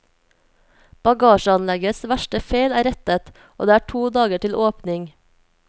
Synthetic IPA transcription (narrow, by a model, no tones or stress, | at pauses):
b̥ɑɡɑːʃəɑnlɛɡəsʋæʃʈəfeɪlæːɾɛt̪ət̪ | ʔo̰ːd̪eːæːʈʰuːd̪ɑːɡəʈɪlʔoːpnɪŋ